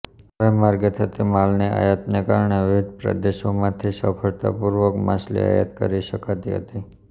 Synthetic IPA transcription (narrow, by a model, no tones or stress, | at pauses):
əʋemaɾɡət̪ɦət̪imalneʔa̰jət̪nekaɾɳeʋɪʋɪd̪̚pɾə̰d̪eʃomãt̪ʰisəfʰəɭt̪a̰puɾʋəkmaslḭa̰jə̰t̪kəɾiʃəkat̪iɦə̰t̪i